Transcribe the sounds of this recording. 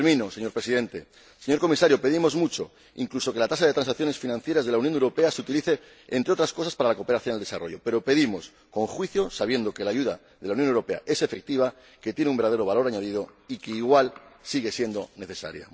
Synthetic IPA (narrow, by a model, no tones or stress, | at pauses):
ɾmĩnose̞ɲo̞ɾpɾesiðe̞nt̪e̞ | se̞ɲoɾko̞misaɾjo̞pe̞ð̞imo̞zmut͡ʃo̞̰ | ḭŋkluso̞ke̞lat̪as̬aðe̞t̪ɾansak̚θjone̞sfinãn̟θje̞ɾazðelaunjonewɾo̞pe̞aseut̪iliθe̞ | ḛnt̪ɾeot̪ɾasko̞s̬aspaɾalakope̞ɾaθjo̞nalesa̰ro̞̰ʝo̞pe̞ɾo̞pe̞ðimo̞s | ko̞ŋxwiθjo̞saβje̞nd̪o̞ke̞laːʝuða | ðe̞lauwnjonewɾope̞a̰ʔe̞se̞fe̞k̚t̪iβ̞a | ke̞t̪je̞neumbeɾðaðeɾo̞βalo̞ɾaɲað̞ið̞o̞ikeiɣwalsiɣe̞sje̞nd̪o̞ne̞θe̞sa̰ɾja̰